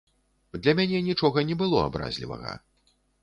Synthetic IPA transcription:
d̪lʲɐmʲanʲɛnʲit͡ʂɔɣɐnʲɛbɨlˠɔa̰bɾa̰zʲlʲivɐ̰ɣɐ̰

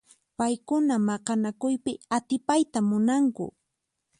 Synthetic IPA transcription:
pajkʊnamɑqɑnakʊjpɪat̪ɪpajt̪amʊnaŋkʊ̰

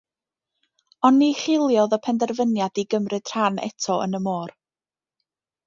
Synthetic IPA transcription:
ɔnːiχɪlˠjɔðɔpʰɛndɛrvənjadiɡəmrɨd̥r̥anɛ̰tʰɔʔə̰nəmoːr

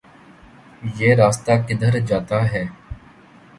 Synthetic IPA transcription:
jeːɾaːst̪aːkɪd̪əɾd͡ʒaːt̪aɦɛː

